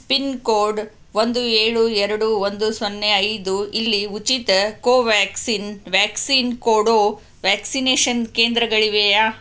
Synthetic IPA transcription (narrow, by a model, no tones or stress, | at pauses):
spinkoːɾɖ | ʋond̪ueːɭuɛɾɐɽuʋond̪usonːeɐjd̪uilːiut͡ʃit̪ɐkoːʋaːksiːnʋaːksiːnkoːɽoː | ʋaːksineːʃɐnkeːnd̪ɾɐɡɐɭiʋejaː